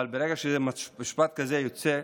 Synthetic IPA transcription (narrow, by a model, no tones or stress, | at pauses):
albeɾeɡaʃezemaiʃpat̪̚kazejot͡se